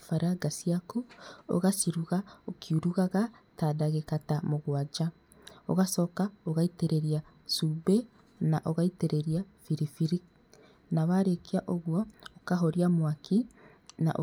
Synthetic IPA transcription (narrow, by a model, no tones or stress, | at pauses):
faɾaɡasiakuo̰ɣasiɾuɣaokʰiuɾuɣaɣatadaɣekatamoɣwad͡ʒa | o̰ɣasɔːkaoɣaiteɾeɾia | sube | naʔoɣaiteɾeɾia | fiɾifiɾi | naβaɾekiaʔoɣwɔːkaɦoɾiamwaki | na̰ʔo